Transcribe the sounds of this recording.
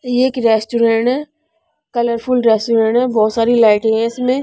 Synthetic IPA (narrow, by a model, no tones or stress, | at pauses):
eːkɾeːsʈuɾẽɳʈɦɛː | kɐləɾpʰʊlɾeːsʈuɾẽɳʈɦɛbɔːt̪saːɾilaːɪʈɦɦɛ̃ɪsmẽ